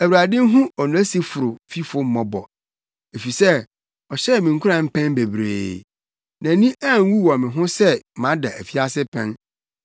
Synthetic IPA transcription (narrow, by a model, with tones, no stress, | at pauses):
æ˨wa˨dɪ̃˦n˦ɦʊ̃˦ɔ˨nʊ̃˨æ˦si˦fʊ˨ɾʊ˨fi˦fʊ˦m̩˦mɔ̃˨bɔ̰˨ | e˨fi˨sɛ˦ | ɔ˨ɕɛ˦˨mĩ˨ŋ̩˨kʰu˦ɾã˨m̩˦pʰɛ̃˦n˦be˨bɾḛː˨ | nã˨nĩ˦ʔã˦˨ŋ˦wu˦wɔ̃˨mɪ̃˨ɦʊ̃˦sɛ˦˨mã˦da˨ʔæ˨fi˦a˦sɪ˦pʰɛ̃˦n